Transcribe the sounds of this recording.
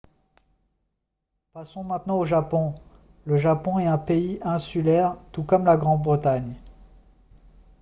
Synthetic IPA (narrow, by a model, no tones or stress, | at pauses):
pasɔ̃mɛ̃t̪nɑ̃oʒapɔ̃ | ləʒapɔ̃ɛt̪ɛ̃peiʔɛ̃sylɛʁt̪ukɔmlaɡʁɑ̃d̪̚bʁət̪aɲ